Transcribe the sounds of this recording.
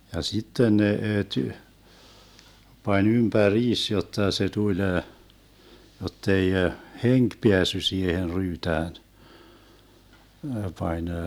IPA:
jɑ sitːen nee ty pɑnʲ ympæriːs jotːɑ se tulʲ jotːei heŋk peæsːy siːhen ryːtæːn pɑnʲ

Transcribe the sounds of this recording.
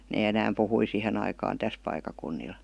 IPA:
neː enæːm puhui sihen ɑikɑːn tæs pɑikˑɑkunːil

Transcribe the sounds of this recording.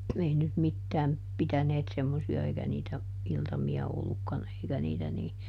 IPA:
ei nyt mitːæːm pitæneːt semːosiɑ eikæ niːtæ iltɑmiɑ olːukːɑn eikæ niːtæ niː

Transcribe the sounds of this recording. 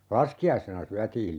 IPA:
lɑskiɑisenɑ syætiːl

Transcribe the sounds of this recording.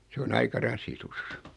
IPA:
se on ɑikɑ rɑsitus

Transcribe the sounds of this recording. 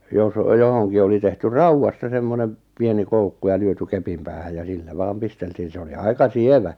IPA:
jos johoŋki oli tehty rɑuwɑstɑ semːonem̆ pieni koukːu jɑ lyøty kepim pæːhæj jɑ silːæ ʋɑːm pisteltiːn̞ se oli ɑikɑ sieʋæ

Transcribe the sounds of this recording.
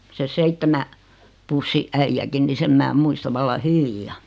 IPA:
se seitːemæ pusːi ʔæijækin ni sem mæː muistɑ ʋɑlːɑ hyʋijˑɑ

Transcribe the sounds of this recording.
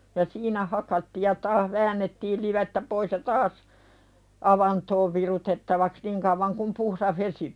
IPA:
jɑ siːnæ hɑkɑtːiːj jɑ tɑːh ʋæːnːetːiːl liʋetːæ pois jɑ tɑːs ɑʋɑntoːʋ ʋirutetːɑʋɑks niŋ kɑuʋɑŋ kum puhɾɑh ʋesi

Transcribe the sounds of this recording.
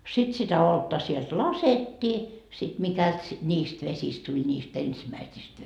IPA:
sit sitæ oltːɑ sielt lɑsetːiː sit mikælt si nʲiːst ʋesist tulʲ niːst ensimæisist

